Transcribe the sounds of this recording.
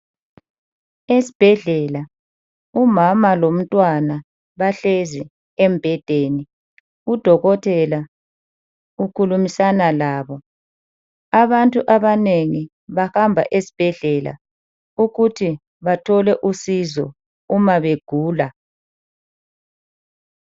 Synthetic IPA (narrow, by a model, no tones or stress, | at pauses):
esi̥b̥ʱɛɮɛla | umamalom̩tʼwana | βaɬezi | ɛmbʱɛd̥ʱeːni | ud̥ʱɔɣɔtʰʼɛla | ukʰulumisanalaːβɔ | aβantʼuʔaβaneŋi | βahambʱa̰ʔesi̥b̥ʱɛɮɛla̰ | uɣutʰi | βatʰɔlɛʔusizɔ̰ | umaβeɡ̥ʱuːla